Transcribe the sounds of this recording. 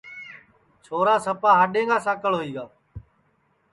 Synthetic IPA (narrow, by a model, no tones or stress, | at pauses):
t͡ʃʰoːɾaːsəpaːɦəɗẽːŋɡaːsãːkəɭɦoiːɡaː